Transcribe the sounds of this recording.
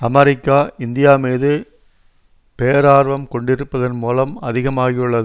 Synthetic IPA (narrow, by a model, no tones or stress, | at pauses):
ɐmɐɾɪkːaːɪnd̪ɪjaːmeːðɯ | peːɐɾaːɾʋɐmkɔɳɖɪɾɯpːɐðɐnmuːlɐmɐðɪɣɐmaːɣɪjɯɭːɐðɯ